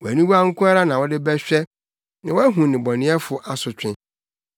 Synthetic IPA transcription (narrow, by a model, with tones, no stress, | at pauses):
wɔ˨æ˨nĩ˦wu˦a˦ŋ̩˦kʰʊ̃˦a˦ɾa˦nã˨wɔ˦dɪ˦bɛ˦ɕᶣɛ˦ | nã˨wɔ˦æ˦ɦũ˨nɪ̃˨bɔ˨nɪ̃˦ɛ˦fʊ˨ʔa˨sʊ˨t͡ɕᶣɪ̃˦